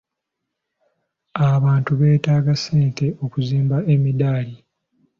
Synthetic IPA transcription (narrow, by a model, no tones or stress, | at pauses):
aβaːntuβe̞ːtaːɡaseːnte̞ʔo̞kuziːmbaʔemidaːli